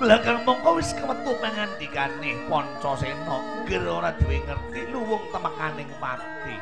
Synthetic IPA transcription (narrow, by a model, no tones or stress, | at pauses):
blakarmɔŋkɔwɪskəwət̪uʔməŋand̪̥i̤kanɪhpɔnt͡ʃɔsenɔʔ | ɡəroɾad̪̥ṳweŋərt̪iluwʊŋt̪əməkanɪŋpa | t̪i